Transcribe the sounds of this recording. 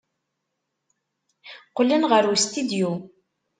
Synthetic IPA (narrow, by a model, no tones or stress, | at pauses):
qːlənʁəɾust̪id̪ju